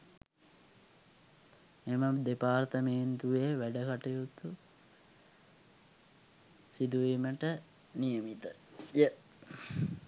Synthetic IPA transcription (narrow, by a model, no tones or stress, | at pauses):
meməd̪epaːrt̪əmeːnt̪uʋeʋæɖəkaʈijut̪u | sid̪uʋiməʈə | nijəmit̪əjə